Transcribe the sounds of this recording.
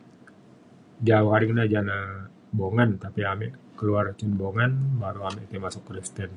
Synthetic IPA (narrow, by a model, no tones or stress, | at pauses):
d͡ʒauhɦaɾɪknad͡ʒana | boŋant̪apiamɛʔkəluart͡ʃunboŋanbaɾuamɛʔt̪imasʊk̚pɾist̪ɛn